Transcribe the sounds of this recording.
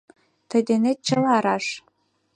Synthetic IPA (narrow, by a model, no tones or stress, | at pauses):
t̪ə̆jd̪enet̪̚t͡ɕəlɑɾɑʃ